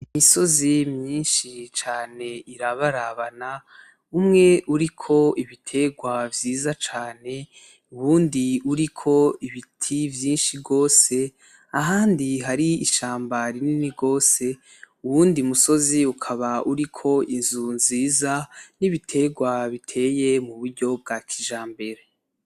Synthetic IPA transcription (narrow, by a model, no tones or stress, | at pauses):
imiso̞zimɲiːnʃit͡ʃaːne̞iɾaβaɾaβana | umŋe̞ʔuɾikʰo̞iβitʰe̞ɡwavjiːzat͡ʃaːne̞ | uβuːndiuɾikʰo̞iβitʰivjiːnʃiɡo̞ːse̞ | aɦaːndiɦaɾiiʃaːmbaɾininiɡo̞ːse̞ | uβuːndimuso̞ziukʰaβauɾikʰo̞inzunziːzaniβitʰe̞ɡwaβitʰe̞ːje̞muβuɾɟo̞b̚ɡakʰiʒaːmbe̞ɾe